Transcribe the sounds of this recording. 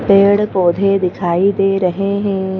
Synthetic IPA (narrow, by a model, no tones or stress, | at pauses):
peːɽkoːd̪ʱed̪ɪkʰaːid̪eːɾɐɦeɦɛ̃ː